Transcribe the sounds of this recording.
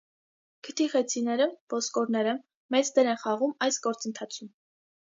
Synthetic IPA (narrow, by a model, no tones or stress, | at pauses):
kʰət̪ʰiχɛt͡sʰinɛɾəvɔskɔɾnɛɾə | mɛt͡sd̪ɛɾɛnχɑʁumɑjsɡɔɾt͡sənt̪ʰɑt͡sʰum